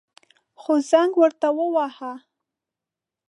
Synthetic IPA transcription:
xozaŋɡwəɾt̪awəwaha

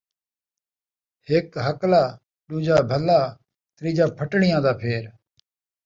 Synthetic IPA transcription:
heːkɦəklaː | ɗũːd͡ʒaːbʱəlaː | t̪ɾiːd͡ʒaːpʰəʈɳɪjãːd̪aːpʰeːɾ

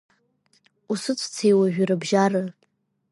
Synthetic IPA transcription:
usɨt͡sʷʰʼt͡sʰejwaʒᶣarɨbʒarɨ

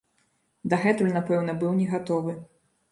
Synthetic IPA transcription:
d̪ɐɣɛt̪ulʲnapɛwnɐbɨwnʲɛɣat̪ɔvɨ

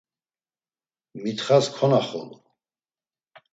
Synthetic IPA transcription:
mit̪χaskʰɔnaχɔ̰lu

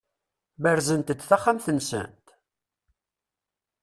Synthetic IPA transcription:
bəɾzənt̪əd̪θaχːamθənsə̰nt̪

